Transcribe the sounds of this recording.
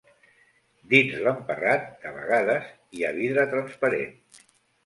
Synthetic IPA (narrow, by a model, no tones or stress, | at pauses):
d̪inzləmpərat̪̚d̪əβə̰ɣaðəz | iaβiðɾət̪ɾənspəɾḛn